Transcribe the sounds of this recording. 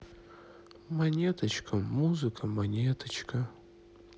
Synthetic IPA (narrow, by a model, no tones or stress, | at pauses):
mɐnʲet̪ʰɐt͡ʃkʰɐmuzɨkʰɐmɐnʲet̪ʰɐt͡ʃʰkʰɐ